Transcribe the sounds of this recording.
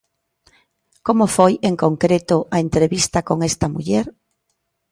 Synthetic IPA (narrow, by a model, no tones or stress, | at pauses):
komofojeŋkoŋkɾet̪ʊɐent̪ɾeβist̪ɐkoŋest̪ɐmuʎɛɾ